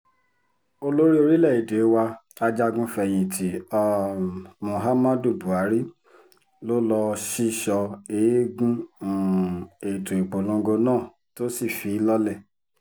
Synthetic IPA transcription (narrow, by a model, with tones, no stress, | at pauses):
o˧lo˦ɾi˦o˧ɾi˦lɛ˦˨i˨de˨˦wa˧a˧d͡ʒa˧ɡũ˧fɛ˧˨j̃ĩ˨tʰi˨˦ɔ˧mũ˨ɦa˦ma˦du˨bu˨a˨˦ɾi˦ | lo˦lɔ˧ʃi˦ʃɔ˧e˨˦ɡũ˦˨ | e˨i˨to˨i˨k͡po˨lõ˧˦ɡo˧nãː˦˨ | to˦si˦˨fi˨˧˦lɔ˦lɛ˦˨